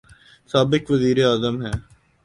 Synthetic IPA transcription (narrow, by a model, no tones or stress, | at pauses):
saːbɪkʋəziːɾeaːzəmɦɛː